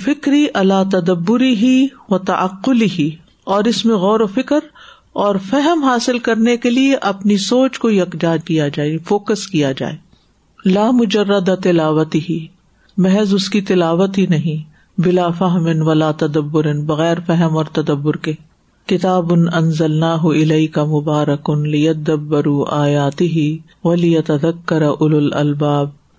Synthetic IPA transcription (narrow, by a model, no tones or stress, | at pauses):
fɪkɾiʔɐlaːt̪ɐd̪ɐbːʊɾɪɦiʋɐt̪ɐ̰ʔɐ̰qːʊlɪɦi | ɔːɾɪsmẽɣɔːɾofɪkɾ | ɔːɾfɛɦəmɦaːsɪlkɐɾnekelieʔɐpnisoːt͡ʃkoiɐqd͡ʒaːd͡ʒkijad͡ʒaːefoːkəskijad͡ʒa̰ːeː | laːmʊd͡ʒɐrːəd̪at̪ɪlaːʋət̪ɪɦi | mɛɦɛzʊskit̪ɪlaːʋət̪ɦinɐɦĩ | bɪlaːfɐɦmɪnʋɐlaːt̪ɐd̪ɐbːʊɾɪnbɐɣɛːɾfɛɦəmɔːɾt̪ɐd̪ɐbːʊɾke | kɪt̪aːbʊnɐnzɐlnaːɦʊʔɪlɐɪkɐmʊbaːɾɐkʊnlɪjɐd̪ɐbːɐɾuʔaːjaːt̪ɪɦi | ʋɐlɪjɐt̪ɐd̪ɐkːɐɾaʔʊlʊlɐ̰lbaːb̚